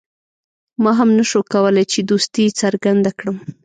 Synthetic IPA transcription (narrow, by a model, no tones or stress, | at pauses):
mɑɦamnaʃokawəlajt͡ʃed̪ust̪it͡saɾɡand̪akɽəm